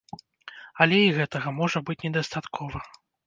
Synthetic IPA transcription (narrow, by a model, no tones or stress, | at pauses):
ɐlʲɛiɣɛt̪ɐɣɐmɔʐɐbɨt͡sʲnʲɛd̪ɐst̪at̪kʰɔvɐ